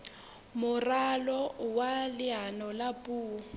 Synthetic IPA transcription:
mʊralɔwalɪɦanɔlapʼuː

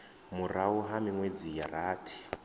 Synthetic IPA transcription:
murauɦamiŋwed͡zijaraːtʰi̥

